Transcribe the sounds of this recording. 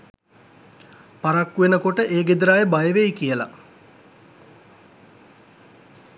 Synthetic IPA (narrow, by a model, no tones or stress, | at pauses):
paɾakːuʋenəkoʈəʔeːɡed̪ɾaːjebajəʋejkijəla̰